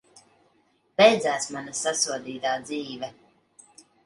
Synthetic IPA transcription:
b̥ɛjd̪zæːsmanasasuɔd̪iːt̪aːd̪ziːvɛ

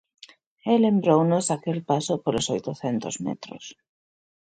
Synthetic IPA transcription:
elembɾownosakelpasopolosojt̪ʊθɛnt̪ozmɛ̰t̪ɾo̰s

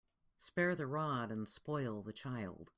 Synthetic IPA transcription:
spɛɹðɨɹɑɾɨ̃nspɔɪlˠðɨt͡ʃʰaɪlˠd̥

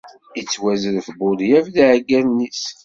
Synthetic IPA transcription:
it͡sːwæzəɾθbʊðjævðiʕɡænnːis

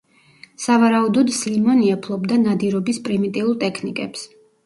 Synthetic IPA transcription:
savaɾaud̪ɔd̪slimɔniɛpʰlˠɔbd̪anad̪iɾɔbispʼɾimit̪ʼiulˠt̪ʼɛkʰnikʼɛps

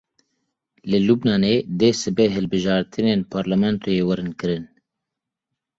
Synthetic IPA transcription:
lɨlubnɑːneːd̪eːsɨbeɦɨlbɨʒɑːɾt̪ʰɨneːnpʰɑːɾlamɛnt̪ʰoːjeːwɛɾɨnkɨɾɨn

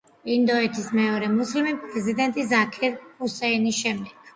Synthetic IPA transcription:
ind̪ɔɛt̪ʰismɛɔɾɛmuslimipʼɾɛzid̪ɛnt̪ʼisakʰɛɾusɛinisʃɛmd̪ɛɡ̥̚ʰ

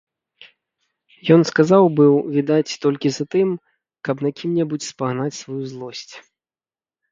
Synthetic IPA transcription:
jɔnskazawbɨwvʲid̪at͡sʲt̪ɔlʲkʲizat̪ɨm | kɐpnakʲʰimnʲɛbut͡sʲspaɣnat͡sʲsvajuzlˠɔsʲt͡sʲ

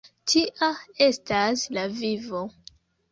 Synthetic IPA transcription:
tʰiʔae̞staslavivo̞

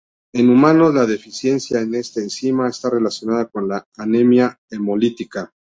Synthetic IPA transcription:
e̞numãno̞zlaðe̞fisje̞nsjaene̞st̪eːnsimae̞st̪are̞lasjo̞naðako̞nlaːnemja | emo̞lit̪ika

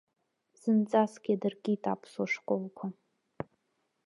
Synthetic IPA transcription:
z̥ɨnt͡sʼasɡʲiadɨrɡʲitʼa̰pʰswaʂqʷʼolkʷʰa

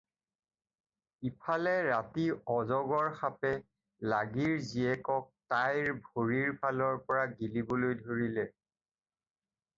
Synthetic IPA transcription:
ipʰalɛɹatiɔzɔɡɔɹxapɛ | laɡiɹziɛkɔk̚tajɹbʱoɹiɹpʰalɔɹpɔɹaɡilibɔlojdʱoɹilɛ

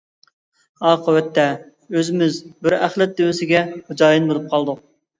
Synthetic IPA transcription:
ɑːqəwɛt̪ʰːɛ | øzɪmɪzbɪɾæχlˠɛt̪̚d̪ewɪsɪɡʲɛχʊd͡ʒɑːjinbolˠup̚qʰɑlˠd̪uq̚

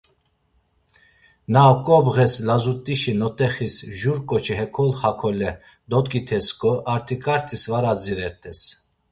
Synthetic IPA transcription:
nakʼɔbɣɛslazut̪ʼiʃinɔt̪ʼɛχisʒuɾkʼɔt͡ʃʰiɦɛkʰɔlχakʰɔlɛ | d̪ɔt̪kʼit̪ʰɛskʼɔʔaɾt̪ʰikʰʼaɾt̪ʰisvaɾad͡ziɾɛɾt̪ʰʼɛs

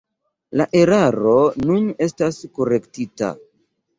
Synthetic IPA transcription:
laʔe̞ɾaɾo̞nune̞staskoɾe̞ktita̰

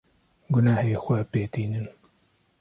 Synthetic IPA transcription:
ɡʊnaːheːxʷɛpeːt̪iːnɨn

